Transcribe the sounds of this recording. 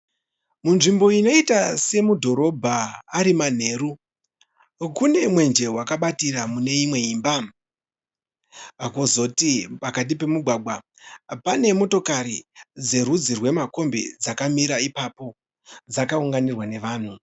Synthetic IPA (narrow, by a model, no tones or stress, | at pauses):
munʐimbo̞ino̞itase̞mudʱo̞ɾo̞bʱaːɾiman̤e̞ːɾu | kune̞mwe̞nd͡ʒe̞wakaɓatiɾamune̞imwe̞iːmba | akozo̞tipakat̬ipe̞muɡʱwaɡʱwa | pane̞mo̞to̞kaɾid͡ze̞rud͡zirwe̞mako̞mbe̞̰d͡zakamiɾaipapo̞ | d͡zakauŋɡanirwane̞ʋaːn̤u